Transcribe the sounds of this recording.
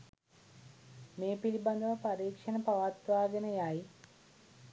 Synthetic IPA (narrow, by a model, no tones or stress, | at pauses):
meːpilibɐnd̪ʱɐʋɐpɐɾiːkʂɐnɐpɐʋaːt̪ʋaːɡɐnɐjaːji